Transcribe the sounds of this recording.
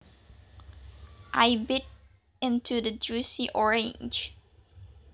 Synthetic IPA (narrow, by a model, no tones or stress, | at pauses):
ʔaɪbɪɾ | ɪ̃ntʰʉðɨd͡ʒʉsiʔɔɹẽnd͡ʒ